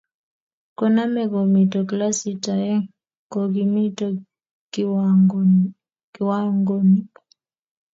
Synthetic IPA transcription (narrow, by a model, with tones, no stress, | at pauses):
ko˦na˦mɛ˨ko˨mi˨to˨kla˦si˨ta˨ɛ˦ŋ | ko˨ɡi˦mi˦to | kwa˦ŋɡo˦mi˦